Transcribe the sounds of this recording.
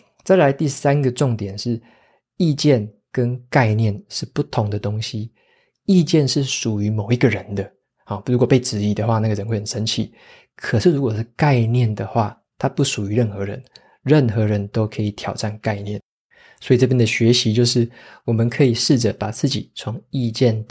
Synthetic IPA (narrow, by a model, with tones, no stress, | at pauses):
t͡sa˥˩ɪla˧˦ɪt̪i˥˩sa˦nɡə˨ʈ͡ʂʊ˥˩ŋt̪jɛ˨˩nʂɻ̩˥˩ | i˥˧t͡ɕjɛ˥˩n | kə˦nka˥˧ɪnjɛ˥˨nʂɻ̩˥˧pu˥˩t̪ʰʊ˨˧˦ŋd̪ə˨t̪o˦ŋɕi˦ | i˥˧t͡ɕjɛ˥˧nʂɻ̩˥˩ʂu˨˩y˧˦mo˨˩ʊi˧˥ɡə˨ɻə˧˦nd̪ə˨ | ɔ˨˩ɻu˧˥kwɔ˨˩pe˥˩ɪʈ͡ʂɻ̩˧˥i˨˥d̪ə˨xwa˥˧na˥˩ɡə˩ɻə˧˦nxwe˥˩ɪxə˨˩n˩ʂə˧˦nt͡ɕʰḭ˨˩˦ | kʰə˨˩ʂɻ̩˥˩˨ɻu˧˥kwɔ˨˩ʂɻ̩˥˩ka˥˧ɪnjɛ˥˩nd̪ə˩xwa˥˩ | t̪ʰa˦pu˥˩ʂu˨˩y˧˦ɻə˥˩nxɤ˧˦ɻə̰˧˦n | ɻə˥˩nxɤ˧˥ɻə˧˦nt̪o˥ʊkʰɤ˧˥i˨˩t̪ʰjɑ˨˩ʊʈ͡ʂa˥˩nka˥˧ɪnjɛ˥˩n | swo˧˥i˨ʈ͡ʂɤ˥˧p̬jɛ˥nd̪ə˨ɕɥɛ˨˧˥ɕi˦˥t͡ɕjo˥˧ʊʂɻ̩˥˩wɔ˨˩mə˦nkʰɤ˧˦˥i˨˩ʂɻ̩˥˩ʈ͡ʂə˩pa˨˩t͡sɹ̩˥˩t͡ɕḭ˨˩t͡sʰʊ˧˦ŋi˥˧t͡ɕjɛ˥˩n